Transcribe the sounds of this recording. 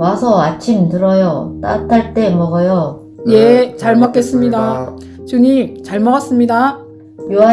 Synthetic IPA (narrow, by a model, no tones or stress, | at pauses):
wasʰʌat͡ɕʰimtɯɾʌjot͈a̰tʰaɭt͈e̞mʌɡʌjo | jet͡ɕaɭmʌk͈e̞s͈ɯmɲida | t͡ɕuɲimt͡ɕaɭmʌɡas͈ɯmɲida | joa